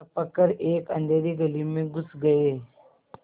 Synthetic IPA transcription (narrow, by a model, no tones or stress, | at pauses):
pɐkːəɾeːkɐ̰̃nd̪ʱeːɾiɡɐlimẽɡʊsɡɐeː